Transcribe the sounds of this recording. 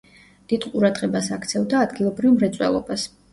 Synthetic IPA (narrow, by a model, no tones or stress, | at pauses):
d̪̥id̪̥qʼuɾad̪ʁɛbasakʰt̪sʰɛvd̪aːd̪ɡilˠɔbɾivmɾɛt̪sʼwɛ̰lˠɔbas